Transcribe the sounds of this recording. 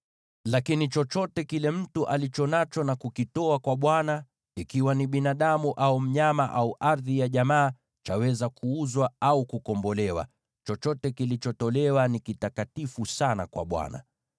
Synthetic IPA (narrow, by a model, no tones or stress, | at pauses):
lakinit͡ʃɔt͡ʃɔtɛkilɛm̩tuʔalit͡ʃɔnat͡ʃɔnakukitɔakwaɓwana | ikiwaniɓinaɗamuʔaum̩ɲamaʔauʔaɾðijaʄamaː | t͡ʃawɛzakʰuuzwaaukukɔmbɔlɛwa̰ | t͡ʃɔt͡ʃɔtɛkilit͡ʃɔtɔlɛwanikitakatifusana̰kwa̰ɓwa̰na̰